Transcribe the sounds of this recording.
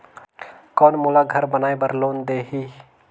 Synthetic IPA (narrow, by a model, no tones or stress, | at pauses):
kɔːnmulaɡʱəɾbənaːebəɾloːnd̪eːɦiː